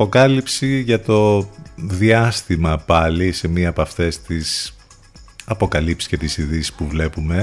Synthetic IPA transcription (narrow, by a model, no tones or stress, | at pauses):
pokɐlipsiʝɐt̪o̞ðiɐst̪imɐpɐlise̞miɐːpɐft̪e̞st̪is | ɐpo̞kɐlipsi̥sce̞t̪isiðisi̥spuvle̞pume̞